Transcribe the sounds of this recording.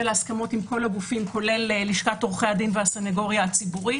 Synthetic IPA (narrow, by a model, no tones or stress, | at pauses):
elaskamo̞timko̞laɡufimko̞le̞lːiʃkatoʁχejad̪inveaseneɡo̞ʁjaːt͡sibuʁi